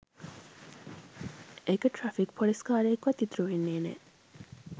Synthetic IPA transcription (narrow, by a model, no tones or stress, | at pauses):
ekɐʈɾɐfikpʰoliskaːɾeːkʋɐt̪ːit̪ɾuʋenːeːnḛ